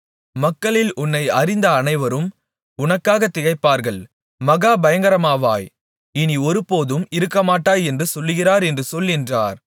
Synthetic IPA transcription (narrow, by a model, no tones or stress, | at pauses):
mɐkːɐɭɪlʔʊnːɐɪɐɾɪnd̪ɐːnɐɪʋɐɾɯm | ʊnɐkːaːɣɐt̪ːɪɣɐɪpːaːɾɣɐɭ | mɐɣaːbɐjɐŋɡɐɾɐmaːʋa̰ːj | ɪniɔɾɯpoːðɯmɪɾɯkːɐmaːʈːaːjɛndrɯsɔlːɯɣɪraːɾɛndrɯsɔlːɪndra̰ːɾ